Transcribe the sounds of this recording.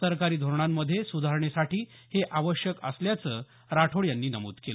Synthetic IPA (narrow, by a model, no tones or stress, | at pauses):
əɾkaɾiːd̪ʱoɾɳ̃amːəd̪ʱːjesud̪ʱaɾɳesaʈʰiː | heʔaʋəɕjəkə̰sljat͡səː | ɾaʈʰoɭjanːiːnəmṵːt̪kel